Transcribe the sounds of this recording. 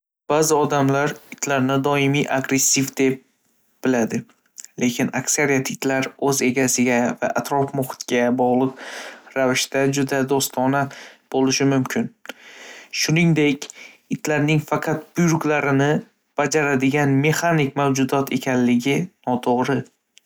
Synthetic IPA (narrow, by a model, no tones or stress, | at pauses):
b̥azɪɒd̪amlaɾɪt̪ʰlaɾnɪd̪ɒɪmiʔa̰ɡɾe̞sːivd̪e̞p̚ | b̥ɪlad̪ɪ | le̞kʲʰɪnaksaɾijat̪ʰɪt̪ʰlaɾɵze̞ɡʲasɪɡʲava̰ʔːt̪ʰɾɒfmʊχɪ̥t̪ɡʲabɒʁlˠɨq̚ɾavɪʃt̪ad͡ʒʊd̪ad̪ost̪ʰɒnab̥olɪʃɪmʊmkʲʰɪn | ʃʊnɪŋd̪e̞kʲ | ɪt̪ʰlaɾnɪŋfɑqʰɑt̪̚bʊjɾʊklaɾɪnɪ | b̥ad͡ʒaɾad̪ɪɡʲanme̞χanɪkʲmawd͡ʒʊd̪ɒt̪ʰe̞kʲʰanlɪɡʲɪnɒt̪ʰoʁɾɪ